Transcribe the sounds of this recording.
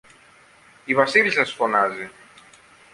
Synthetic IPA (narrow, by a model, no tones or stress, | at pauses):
iβasilsasfonazi